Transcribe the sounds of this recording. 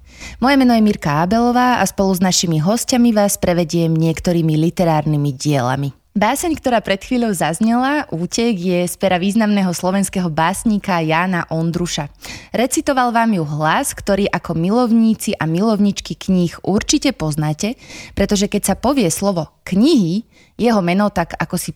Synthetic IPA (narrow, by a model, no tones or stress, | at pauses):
mɔjɛmɛnɔjɛmiɾkaabɛlɔʋaːaspɔluznaʃimiɦɔscamiʋaːspɾɛʋɛɟɪɛmɲɪɛkt̪ɔɾiːmilit̪ɛɾaːɾnimiɟɪɛla̰mi | baːsɛɲkt̪ɔɾaːpɾɛt̪xʋiːʎɔʊzazɲɛlaʔuːcɛɡjɛspɛɾaʋiːznamnɛːɦɔslɔʋɛnskɛːɦɔbaːsɲiːkajaːnaʔɔnd̪ɾuʃaɾɛt͡sit̪ɔʋalʋaːmjuɦlaskt̪ɔɾiːʔakʰɔmilɔʊɲiːt͡siʔamilɔʊɲit͡ʃkikɲixʔuɾt͡ʃicɛpɔznaːcɛpɾɛt̪ɔʒɛkɛcsapɔʋɪɛslɔʋɔkɲiɦi | jɛɦɔmɛnɔt̪aɡa̰kɔsi